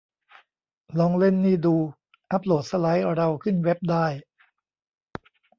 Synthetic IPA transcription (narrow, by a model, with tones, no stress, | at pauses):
lɔː˧ŋle˥˩nːiː˥˩duː˧ | ʔa˦˥p̚loː˨˩t̪̚sa˧la˦˥jɾa˧wkʰɯ˥˩nwe˦˥p̚daː˥˩j